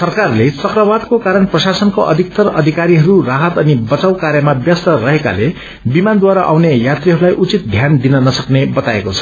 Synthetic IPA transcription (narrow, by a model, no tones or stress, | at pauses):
sʌrkarlet͡sʌkrʌbad̪kokaɾʌnprʌsasʌnkoʔʌd̪ʱik̚t̪ʌrʌ̰d̪ʱikaɾiɦʌɾuraɦʌt̪ʌnibʌt͡sawkaɾjʌmabjʌst̪ʌrʌɦeka̰le | bimand̪waɾaʔa̰wnejat̪riɦʌɾulajʔut͡sit̪̚d̪ʱjand̪inʌnʌsʌknebʌt̪aekot͡sʰʌ̥